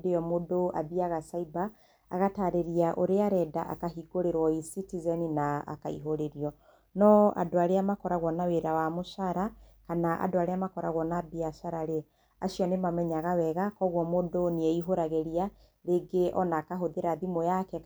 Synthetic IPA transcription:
dejɔmodoabiaɣasaiba̰ː | ɣataɾeɾiaʔoɾeaɾɛdaʔa̰kaɦiɡoɾeɾwɔisitizɛninaa̰kaḭɦoɾeɾiɔ | nɔa̰doaɾeamakɔɾaɣwɔnaweɾawamosaɾakanaʔa̰doaɾeamakɔɾa̰ɣwɔnabiasaɾaɾe | a̰siɔnemamɛɲaɣawɛɣakɔɣwɔmodoniɛiɦoɾaɣeɾia | ɾeɡeʔɔ̰naːkaɦoðeɾaðimojakɛ

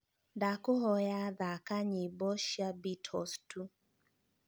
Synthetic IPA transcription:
dakʊɦɔjaðakaɲɪbɔʃjabitʰɔstu

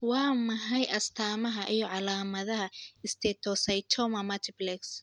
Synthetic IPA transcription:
wɑːmɐɦɐjʔɐst̪ʰaːmɐɦɐʔijɔʕɑlaːmɐðɐɦɐɪst̪ʰɛːt̪ʰɔsɐjt̪ʰɔmɐmɐt̪ʰɪblɛks

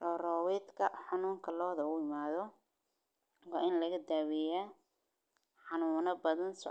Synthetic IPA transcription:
rɔːrɔːwɛːd̪kʰɐħɑnuːŋkʰɐlɔːðɐʊɪmaːðɔ | wɑːʔɪnlɐɣɐd̪aːwɛjaː | ħɑnuːnɐbɐðɐnsʊ̰

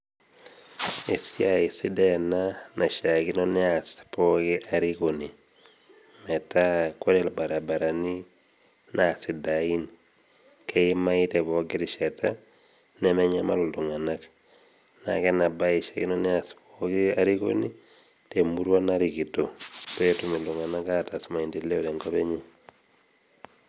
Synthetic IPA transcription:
esiaisidɛnanaʃakinɔnɛaspɔkiʔaɾikoni | mɛtakodɛlbaɾabaɾani | nasidain | keimaitɛbɔɡiɾiʃata | nɛmɛɲama̰luluŋanak | na̰kɛnabaiʃakinɔniaspokiaɾiko̰ni | temuɾwanaɾikitopetumilduŋanakatasmaindileolɛŋɡɔbɛɲe

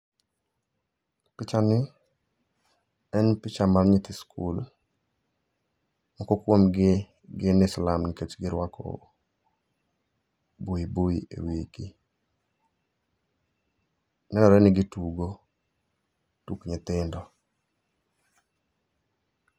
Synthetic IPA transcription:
pɪt͡ʃanɪ | ɛnpɪt͡ʃamarɲɪt̪ɪskʰul | mɔkɔkwomɡɪ | ɡɪnɪslamnɪket͡ʃɡɪɾwakɔ̰ | boiboiḛwiki | nɛnɔɾɛnɪɡɪtuɡo | tukɲɪt̪ɪndɔ

